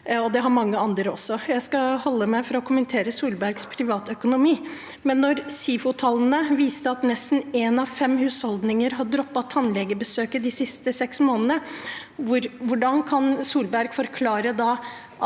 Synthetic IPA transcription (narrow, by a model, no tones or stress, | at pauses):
ɔd̪ɛɦɑɾmɑŋːəɑnd̪ɾəɔsːɔjæɪskɑhɔlːəmæɪfɔɾɔkʰʊmənt̪ʰeːɾəsuːlbæɾɡspʰɾɪʋɑːt̪œkʊnʊmiː | mɛnːɔɾsiːfʊt̪ʰɑln̩əʋiːst̪əɑt̪nɛst̪n̩ɛnɑʋfɛmhʉːshɔld̪nɪŋəɾɦɑd̪ɾɔpːɑt̪ʰːɑnlɛɡəbəsøːkəd̪ɪsɪst̪əsɛksmoːnənə | ʋʊɾʋʊɖɑnkʰɑnsuːlbæɾɡ̥fɔɾkʰlɑːɾəd̪ɑː